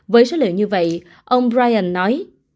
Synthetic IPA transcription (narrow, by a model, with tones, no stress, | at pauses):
vəː˨˦jsoː˨˦lɨ̰˧˨wɲɨ˧və̰˧˨jʔ | ʔə˧wŋ͡mbɹaː˧jʔə˧˩nːɔ˨˦j